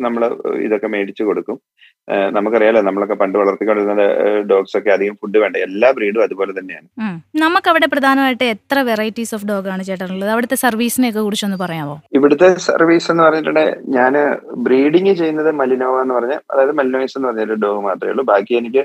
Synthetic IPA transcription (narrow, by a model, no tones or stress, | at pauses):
nɐmːɐɭḭðokːe̞me̞ːɽit͡ɕːɨko̞ɽukːum | nɐmukːɐrijaːlːenɐmːɐɭokːe̞pɐɳɖɨʋɐɭɐrt̪ːikʲːo̞ɳɖiɾunːɐdɐ̰ɖo̞ːɡso̞kːe̞ɐd̪ʱiɣɐmfuɖːɨʋe̞ːɳɖɨelːaːbriːɽumɐðupo̞ːlet̪ɐnːea̰ːnɨnɐmukːɐʋiɽe̞prɐd̪ʱaːnɐmaːjiʈːɨet̪rɐʋe̞rɐjtːisoːfɖo̞ːɡaːɳɨt͡ɕe̞jiʈːaːnuɭːɐðɐʋiɽɐt̪ːe̞sɐrʋiːsinejokːekuɽit͡ɕːumenːɨpɐrɐjaːmbo̞ːiʋiɽut̪ːe̞sɐ̰rʋiːse̞nːɨpɐrɐɲːiʈːuɳɖḛɲaːnɨbriːɽiŋɡɨt͡ɕe̞jːunːɐðɨmɐlinoːmaenːɨpɐrɐɲːalɐ̰ðaːjɐðɨmɐlinɐːjɐsenɨpɐrɐɲːɖo̞ːɡɨmaːt̪rɐjṵɭːubʱaːkːijenikʲːɨ